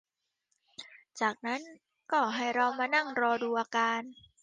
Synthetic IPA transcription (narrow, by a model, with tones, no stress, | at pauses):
t͡ɕaː˨˩k̚na˦˥n | kɔː˨˩ɦa˥˩jɾa˧wmaː˧na˥˩ŋɾɔː˧duː˧ʔaː˧kaː˧n